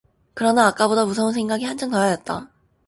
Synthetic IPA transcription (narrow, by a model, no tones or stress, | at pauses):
kɯɾʌnaːk͈abodamus̬ʰʌunsʰeŋɡaɡihand͡ʑʰʌŋtʌjʌjʌt̚t͈a̰